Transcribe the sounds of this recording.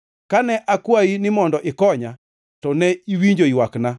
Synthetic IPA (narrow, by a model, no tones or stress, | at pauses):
kanɛʔakwainɪmɔndɔʔɪkɔɲa | tɔnɛiwiɲd͡ʒoiwakna